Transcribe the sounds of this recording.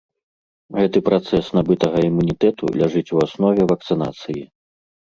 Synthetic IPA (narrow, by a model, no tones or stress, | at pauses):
ɣɛt̪ɨpɾat̪sɛsnabɨt̪ɐɣɐimunʲit̪ɛt̪ṵlʲaʐɨt͡sʲuasnɔvʲɛvɐk̚t̪sɨna̰t̪sɨji